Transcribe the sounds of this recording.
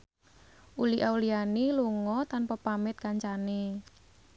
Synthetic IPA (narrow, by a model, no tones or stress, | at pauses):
ʔuliʔaulianiluŋɔt̪anpɔpamɪt̪̚kaɲt͡ʃane